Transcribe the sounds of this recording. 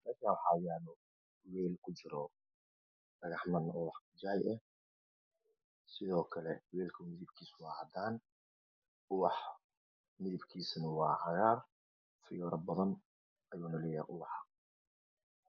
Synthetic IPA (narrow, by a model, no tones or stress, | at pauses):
mɐɾkʰawħɑːjaːðɔ | wɛːlkʰʊt͡ʃɪɾɔ | ɖ̥ɐɣɑħmɐnɔwɑħd͡ʒɐʕɛjʔɛ | sɪðɔːkʰɐlɛwɛːlkʰʊmɪðɪbkʰiːswɑːhɐd̪aːn | ʊwɑħ | mɪðɪbkʰiːsnɐwɑːhɑɣaːr | fɪjɔːɾɐbɐðɐn | ɐjuːnɐlɛja̰ːʔʊwɑħɑ